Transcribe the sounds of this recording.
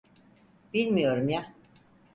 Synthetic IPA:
b̥ilʲmijo̞ɾumja

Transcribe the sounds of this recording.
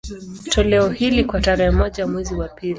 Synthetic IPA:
tʰɔlɛɔhilikwataɾɛhɛmɔʄamwɛziwapili

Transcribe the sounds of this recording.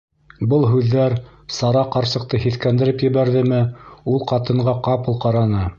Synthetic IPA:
bɤlˠɦʉðːæɾ | sɑɾɑqɑɾsɤ̆q̚t̪ɤhiθkænd̪ɘ̆ɾɘpjɘ̆βæɾðɘmɘulˠqɑt̪ɤ̆ɴɢɑqɑpɤ̆lˠqɑɾɑnɤ

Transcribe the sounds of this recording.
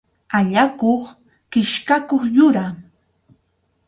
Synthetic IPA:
aʎakoχ | kɪʃkakoχjʊɾa

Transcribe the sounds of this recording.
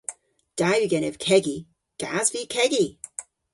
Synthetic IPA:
d̥ajwiɡɛnɪv̥kʰɛɡi | ɡ̥azvikʰɛɡi

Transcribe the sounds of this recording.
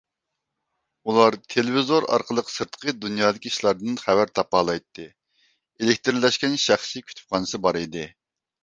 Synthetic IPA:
ulˠɑɾt̪ʰelevizoɾɑ̰ɾqʰəlˠəqsɨɾt̪qʰəd̪unjɑːd̪ɪkʲiːʃlˠɑɾd̪ɨnχævæɾt̪ʰɑpɑːlˠɑjt̪ʰːɨ | elɪkʲt̪ɪɾlɛʃkʲɛnʃæχsikʲʰy̥t̪ʰy̥p̚χʰɑːnɨsɨbɑɾid̪ɨ

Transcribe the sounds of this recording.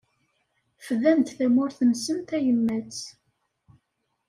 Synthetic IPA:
fəðæmt̪θæmʊɾθənsənt̪æjəmːæt͡s

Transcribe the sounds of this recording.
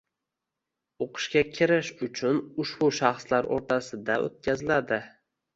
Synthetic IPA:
oqʰɨ̥ʃkʲakʲʰɪɾɪʃʊt͡ʃʰʊnʊʃbʊʃaχslaɾʔo̰ɾt̪ʰasɪd̪aʔo̰t̪̚kʲazɪlad̪ɪ

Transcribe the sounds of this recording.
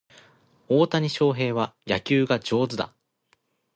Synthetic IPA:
oːt̪aɲ̟iɕo̞ːɦe̞ːβajakʲɨːɡad͡ʑo̞ːzɨd̪a̰

